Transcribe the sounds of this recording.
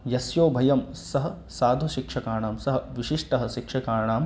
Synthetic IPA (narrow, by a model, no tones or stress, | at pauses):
jɐsjoːbʱɐjɐm | sɐɦɐ̆ | saːd̪ʱuʃikʂɐkaːɾɳaːmsɐɦɐ̆ʋiʃiʂʈɐɦɐ̆ʃikʂɐkaːɾɐɳaːm